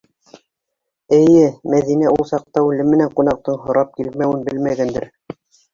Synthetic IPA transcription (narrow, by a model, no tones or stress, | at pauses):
ɘ̆jɘmæðinæulˠsɑq̚t̪ɑʉlɘmːɘ̆næɴqunɑq̚t̪ɤɴɦŏɾɑp̚kilmæwɘnbɘlmæɡænd̪ɘɾ